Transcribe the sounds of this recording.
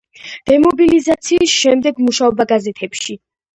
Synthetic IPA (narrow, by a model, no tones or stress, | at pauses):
d̪̥ɛmɔbilizat̪sʰiːsʃɛmd̪ɛɡmuʃaɔbaɡazɛt̪ʰɛpʃi